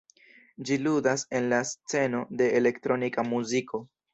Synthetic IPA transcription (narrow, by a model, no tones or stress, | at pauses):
d͡ʒiludase̞nlast͡se̞no̞de̞ele̞ktɾo̞nikamuziko̞